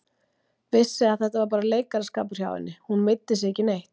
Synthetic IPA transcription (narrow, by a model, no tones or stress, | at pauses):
vɪsːɪaθɛht̪avaɾpaːɾaleːjkaɾaskaːpʏɾ̥çja̰ːwvɪ̰nːɪhunmɪt̪ːɪs̬ɛcɪnejht̪